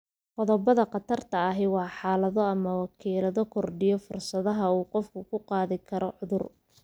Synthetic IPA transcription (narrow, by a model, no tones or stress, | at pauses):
qɔðɔbɐðɐqɑt̪ʰɐrt̪ʰɐːɦɛwɑːħɑːlɐðɔɐmɐwɑkʰiːlɐðɔkʰɔrɖɪjɔfʊrsɐðɐɦɐuːqɔfkʰʊkʰʊqɑːðɪkʰɐɾɔʕʊðʊr